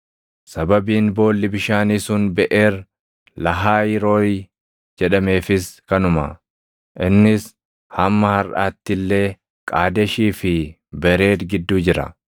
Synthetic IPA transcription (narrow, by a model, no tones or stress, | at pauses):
sɐbɐbiːnbo̞ːlːɪbɪʃaːniːsʊnbɛʔe̞ːɾ | lɐɦaːjɪɾo̞ːj | d͡ʒɛᶑɐme̞ːfɪskɐnʊmɐ̰ | ʔɪnːɪs | hɐmːɐhɐɾʔaːt̪ːɪlːe̞ː | kʼaːd̪ɛʃiːfɪ | bɛɾe̞ːt̪ɡɪd̪ːuːd͡ʒɪɾɐ̰